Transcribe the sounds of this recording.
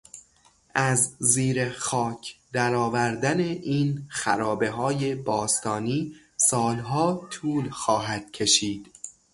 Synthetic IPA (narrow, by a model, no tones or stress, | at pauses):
ʔæzːiːɾexɒːcʰd̪̥æɾɒːvæɾd̪æne̞ʔiːnxæ̰ɾɒːbe̞ɦɒːje̞bɒːst̪ʰɒːniː | sɒːlɦɒːt̪ʰuːlxɒːɦæd̪̥cʰe̞ʃiːd̪̥